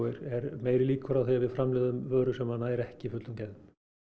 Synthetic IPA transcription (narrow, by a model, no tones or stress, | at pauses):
ɪɾɛɾmeːjɾɪliːkʏɾawθiavɪðfɾamlɛːðaʏmvœːɾʏsɛmːanaɛɾɛhcɪifʏt̪lʏmcɛðʏm̥